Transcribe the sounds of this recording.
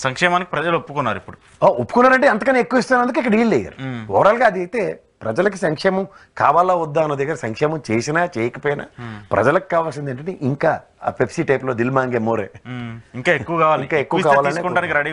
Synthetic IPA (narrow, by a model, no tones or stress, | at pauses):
sɐŋkʂɛːmaːniki̥pɾɐd͡ʒɐlopːukunːaːɾipːuɽu | oopːu̥kunːaːɾɐɳʈ̬eɐnt̪ɐkɐneekːuʋist̪aːnːɐnd̪ukuikːɐɽɐiːlːeːjɐ̰ɾɔːɽaːlɡaːɐd̪iɐt̪e̞ː | pɾɐd͡ʒɐlɐk̬isɐŋkʂɛːmɐm | kaːʋaːlaːud̪ːaːɐnɐd̪ɛɡɐɾɐsɐŋkʂɛːmɐmt͡ʃeːsinaːt͡ʃeːjɐkɐpoːjina̰ːpɾɐ̰d͡ʒɐlɐki̥kaːʋaːls̬ind̪ɐɳʈɐɳʈeʔiŋka̰ː | pʰepsiːʈɐjploːd̪ilmaːŋɡeːmoːɾḛːiŋkaːekːuʋɐkaːʋaːliikaːekːuʋkaːʋaːlɐɳʈekuɳʈaːnikɾɐɽi